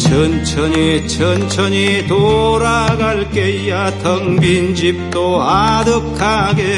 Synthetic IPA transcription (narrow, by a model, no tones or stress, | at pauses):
t͡ɕʰʌnt͡ɕʰʌɲit͡ɕʰʌnt͡ɕʰʌɲit̪oɾaɡaɭkeijatʰʌŋbind͡ʑip̚t̪͈oadɯkʰaɡe